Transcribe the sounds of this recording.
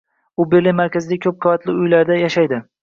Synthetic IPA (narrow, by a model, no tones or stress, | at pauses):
ʊbeɾlemaɾkʲazɪd̪aɪkʰɵp̚qʰovat̪lɪʊjlaɾd̪ajaʃajd̪ɪ